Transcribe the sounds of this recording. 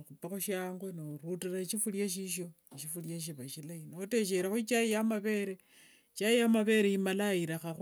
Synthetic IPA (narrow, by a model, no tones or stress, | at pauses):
xupaxuʃjaːŋɡwenoɾutiraʃifuljaʃ̬iʃo̞ | ʃifuljaʃ̬iβaʃilainoote̞ʃ̬eɾaxwuit͡ʃajijamaβe̞ɾe | t͡ʃaijamaβe̞ɾejimalaiɾaxax